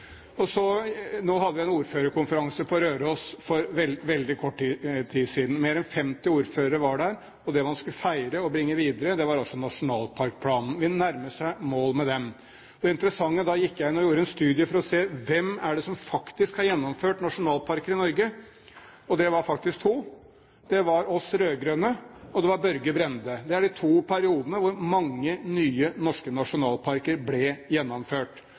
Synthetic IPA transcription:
ɔsɔnoːɦɑd̪ːəʋɪæɪnuːɾføːɾəɾkʰʊnfəɾɑŋsəpʰɔɾøːɾoːsfɔɾʋɛlʋɛld̪ɪkʰɔʈːt̪ʰiːsiːd̪n̩meːɾɛnfɛmt̪ɪuːɾføːɾəɾəʋɑɖæɾ | ɔd̪ɛʋɑnskʉləfæɪɾəɔbɾɪŋːəʋiːd̪əɾəd̪ɛʋɑɾɑlsɔnɑʂʊnɑːlpʰɑɾk̚pʰlɑːnn̩ʋɪnæɾməʂæɪmoːlmɛd̪ɛm | ɔd̪ɛɪnt̪əɾəsɑŋːəd̪ɑjɪkːjæɪɪnːɔjuːɾəɛnst̪ʉːd̪ɪəfɔɾɔseːʋɛmæɖɛsɔmfɑkt̪ɪskhɑɾjɛnːɔmføːʈnɑʂʊnɑːlpʰɑɾkəɾɪnɔɾɡə | ɔd̪ɛʋɑɾfɑk̚t̪ɪsk̚t̪ʰuː | d̪̥ɛʋɑɾɔsɾøːɡɾøːnəɔd̪ɛʋɑɾbœɾɡəbɾɛnd̪əd̪ɛæɖɪt̪ʰuːpʰæɾɪuːd̪ənəʋʊɾmɑŋːənyːənɔʂkənɑʂʊnɑːlpʰɑɾkəɾblɛjɛnːɔmføːʈ

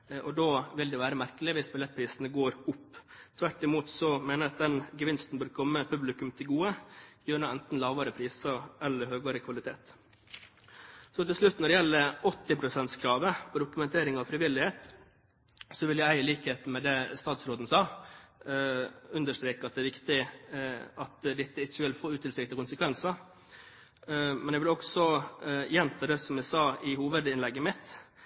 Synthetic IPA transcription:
ʔɔd̪oːʋɪld̪ɛʋæːɾəmæɾkəlɪʋɪsbɪlɛt̪̚ːpʰɾiːsənəɡoːɾʊpːt̪ʰʋæʈːɪmuːt̪sɔmeːnəɾɑt̪̚d̪ɛnɡəʋɪnst̪n̩bøːɾkʰɔmːəpʰʉblɪkʉmt̪ʰɪlɡuːəjøːnʊɛnt̪n̩lɑːʋɑɾəpʰɾiːsɑɛlːəɾɦøːɡɑɾəkʰʋɑlɪt̪ʰeːt̪ | sɔt̪ɪlʂlʉt̪ːnɔɖɛjɛlːəɾɔt̪ːɪpʰɾʊsɛnt̪skʰɾɑːʋəpʰɔd̪ʊkʉmɛnt̪ʰeːɾɪŋɑʋfɾɪʋɪlːɪheːt̪ | sɔʋɪljææɪliːkəheːt̪n̩mɛd̪ɛst̪ɑːt̪sɾoːd̪ən̩sɑː | ʉnd̪əʂt̪ɾeːkəɑt̪̚d̪ɛæɾʋɪkt̪ɪ | ʔɑt̪d̪ɪt̪ːəɪçːəʋɪlfoːɾʉːt̪ʰɪlsɪk̚t̪ɪkʊnsəkʰʋɛnsɑ | mɛnæɡʋɪlɔksɔjɛnt̪ʰɑːd̪ɛsɔmæsɑːɪhuːʋəd̪ɪnlɛɡːəmɪt̪

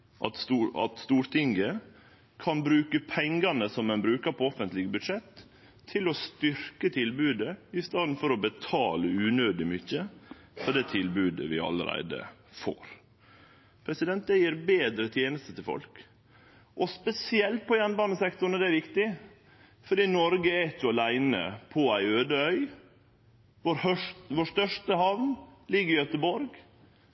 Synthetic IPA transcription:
ʔɑt̪ːɑ̰t̪st̪uːɾt̪ʰɪŋɡə | kʰɑnbɾʉːkəpʰɛŋɡɑnəsɔmːɛnbɾʉːkəɾpʰɔɔfənt̪lɪɡəbʉd̪ʂɛt̪ʰː | ɪlɔst̪ʏɾkət̪ʰɪlbʉːd̪əɪst̪ɑːd̪n̩fɔɾɔbət̪ʰɑːləʉːnøːd̪ɪmʏçəfɔd̪ɛt̪ʰɪlbʉːd̪ə̰ʋɪ̰ɑ̰lə̰ɾæ̰ɪd̪ə̰fo̰ːɾ | pʰɾɛsɪd̪ɛnt̪̚d̪ɛjiːɾbeːd̪ɾət̪ʰjeːnəst̪ət̪ʰɪlfɔ̰lk | ʔɔspɛsɪɛlt̪̚pʰɔjɛnbɑːnəsɛkt̪ʊɳɔd̪ɛæɾʋɪkt̪ɪ | fɔɖiːnɔɾɡəeːt̪jʊɑlæɪnə̰pʰɔæɪøːd̪əœʏ | ʋoɾʋoːʂt̪œʂʈəhɑʋnlɪɡːəɾɪjœt̪əbɔɾɡ

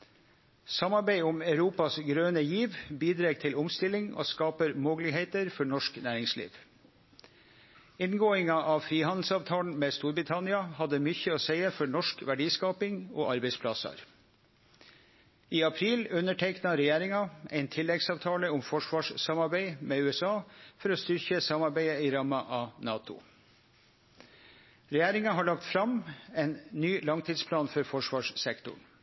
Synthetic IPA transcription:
sɑmɑɾbæɪʊmæʉɾuːpɑsɡɾøːnəjiːʋbiːd̪ɾeːɡt̪ʰɪlʊmst̪ɪlɪŋo̰ːskɑːpəɾmoːɡlɪheɪt̪əɾfɔɳɔʂknæːɾɪŋslḭːʋ | ɪnɡoːɪŋɑʔɑʋfɾiːhɑnd̪l̩sɑːʋt̪ʰɑːln̩meːst̪uːɾbɾɪt̪ʰɑnɪɑhɑd̪ːəmʏçəoːsæɪəfɔɳɔʂkʋæɖiːskɑːpɪŋo̰ːʔɑɾbɛɪspʰlɑsɑ̰ɾ | iːɑpʰɾiːlʉnːəʈʰɛɪknɑɾɛjæːɾɪŋɑæɪnt̪ʰɪlːɛɡsɑːʋt̪ʰɑːləʊmfɔʂʋɑːʂsɑmɑɾbæɪmeːʉːɛsɑːfɔɾoːst̪ʏɾçəsɑmɑɾbæɪəiɾɑmɑʔɑːnɑːt̪ʊ̰ | ɾɛjæːɾɪŋɑɦɑːɭɑkt̪fɾɑmɛɪnnyːlɑŋt̪ʰiːd̪spʰlɑːnfɔɾfɔʂʋɑːʂsɛkt̪ʊ̰ɳ

